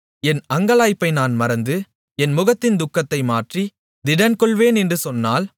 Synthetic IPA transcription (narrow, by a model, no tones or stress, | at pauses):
ɛnɐŋɡɐɭaːjpːɐɪnaːnmɐɾɐnd̪ɯ | ɛnmʊɣɐt̪ːɪnd̪ʊkːɐt̪ːɐɪmaːʈri | d̪ɪɽɐnkɔɭʋeːnɛndrɯsɔnːaːl